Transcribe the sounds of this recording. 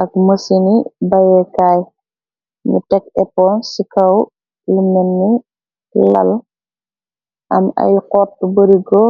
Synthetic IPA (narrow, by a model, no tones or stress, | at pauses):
ʔɐk̚məsinibɐjɛkaːj | nṵtɛk̚ɛpɔːnsikɐw | lumːɛnːi | lɐ̰l | ʔɐmɐ̰jqɔːtubəɾiɡɔ